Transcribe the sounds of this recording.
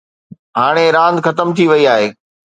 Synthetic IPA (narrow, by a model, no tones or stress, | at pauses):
ɦaːɽ̃eɾãːnd̪xɐt̪əmt̪ʰiʋɐiaːɦeː